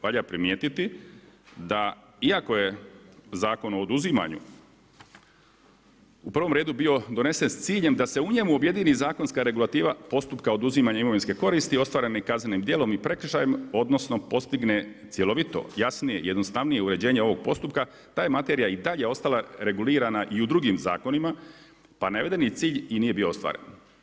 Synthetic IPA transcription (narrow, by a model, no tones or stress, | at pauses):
ʋaʎapɾimjeːt̪it̪i | d̪a | iako̞je̞zaːko̞no̞ːd̪uzima̰ɲṵ | upɾr̩ʋo̞mɾeːd̪ubio̞d̪o̞ne̞se̞nst̪siːʎe̞md̪ase̞uɲe̞muobje̞d̪iːnizaːko̞nskaɾe̞ɡulat̪iːʋapo̞st̪upkao̞d̪uzimaɲaimoʋinske̞ko̞ɾist̪io̞st̪ʋaːɾenekaznenimd̪je̞ːlo̞mipɾe̞kr̩ʃajemo̞d̪no̞sno̞po̞st̪iɡne̞t̪sje̞lo̞ʋit̪o̞̰jasnije̞ḭje̞d̪nost̪aʋnije̞uɾe̞d͡ʑe̞ːɲeo̞ʋo̞ɡ̚po̞st̪upka | t̪aːjemat̪e̞ɾijaid̪aʎe̞o̞st̪alaɾe̞ɡuliːɾanaʔiud̪ɾuɡimza̰ːko̞nima | paneʋed̪enit̪siːʎiniːje̞bio̞ost̪ʋa̰ːɾe̞̰n